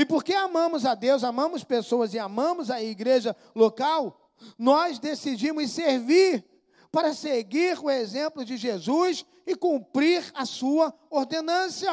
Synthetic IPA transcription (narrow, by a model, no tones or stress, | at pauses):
ɪpoɾkeamɐ̃mʊzɐd̪ewzamɐ̃mʊspesoɐzɪamɐ̃mʊzɐiɡɾeʒɐ | lokaw | nɔzd̪esid͡ʒĩmʊsseɾviɾ | paɾɐseɡiɾʊezẽmplʊd͡ʒɪʒezus | ɪkũpɾiɾɐsuɐ | oɾd̪enɐ̃sɐ